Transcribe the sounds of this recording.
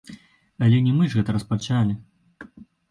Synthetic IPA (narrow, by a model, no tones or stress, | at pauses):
ɐlʲɛnʲɛmɨʐɣɛt̪ɐɾɐspat͡ʂalʲi